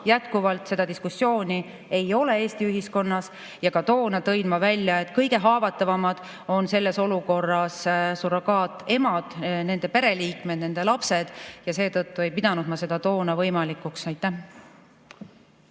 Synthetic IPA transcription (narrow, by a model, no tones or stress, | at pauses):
jæt̪kuvɑlt̪se̞d̪̥ɑd̪iskusːjo̞ːnʲi | e̞jo̞le̞eːst̪iyɦisko̞nːɑs | jɑkɑt̪o̞ːnɑt̪ɤjd̪̥mɑvælʲjɑet̪kɤjɡe̞ɦɑːvɑt̪ːˑɑvɑmɑd̪̥ | o̞nse̞lːe̞so̞luko̞rːɑssuɾokɑːt̪ːˑe̞mɑd̪̥ne̞nd̪epe̞ɾe̞liːkme̞d̪̥ne̞nd̪̥e̞lɑpse̞d̪̥jɑse̞ːt̪ɤt̪ːue̞jpid̪̥ɑnud̪̥mɑse̞d̪̥ɑt̪o̞ːnɑvɤjmɑlikːˑuksɑjt̪ːˑæh